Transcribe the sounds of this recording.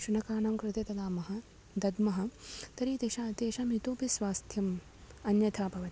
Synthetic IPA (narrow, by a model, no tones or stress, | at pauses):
ʃunɐkaːnɐmkɾɪt̪et̪ɐd̪aːmɐɦɐ̆ | d̪ɐd̪mɐɦɐ̆t̪ɐɾiːt̪eːʃaːt̪eːʃɐmit̪oːpisʋaːst̪ʰjɐm | ɐnjɐt̪ʰaːpɐʋɐ